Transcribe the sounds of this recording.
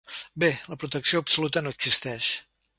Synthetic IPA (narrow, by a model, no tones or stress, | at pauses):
beləpɾut̪əksioəpsulut̪ənoəɡz̥ist̪ɛʃ